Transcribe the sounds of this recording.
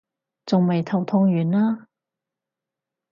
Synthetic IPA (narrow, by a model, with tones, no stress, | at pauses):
t͡sʊ˨ŋmɐ˨jt̪ʰɐ˨˩wt̪ʰʊ˧˥ŋjyː˨˩nlaː˥